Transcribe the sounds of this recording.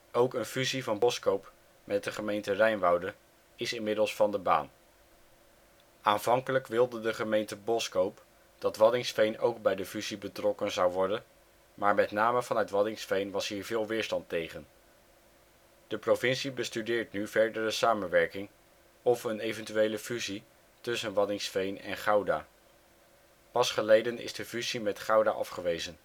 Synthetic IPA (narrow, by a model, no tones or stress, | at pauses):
owkənfyzivɑnbɔskowp | mʔɛt̚dəχəmejntərɛjnʋɑwdə | ɪsɪnmɪdəlˠsfɑndəba̰ːn | aːnv̥ɑŋkələkʋɪlˠdədəχəmejntəbɔskowp | d̥ɑtʋɑdɪŋsfejnowɡ̚bɛjdəfyzibətrɔkənzɑwʋɔɹdən | maːɹmɛtnaːməvɑnœtʋɑdɪŋsfejnʋɑsɦiːɹvɪːlˠʋɪːɹstɑntejχən | d̥əprovɪnsibəstydɪːɹtnyvɛɹdərəsaːmənʋɛɹkɪŋ | ɔfənejvəntyejləfyzi | tɵsənʋɑdɪŋsfejnɛ̰nχɑwda̰ː | pɑsχəlejdənɪ̰zdəfyzimɛtχɑwdaʔɑ̰fχəʋejzən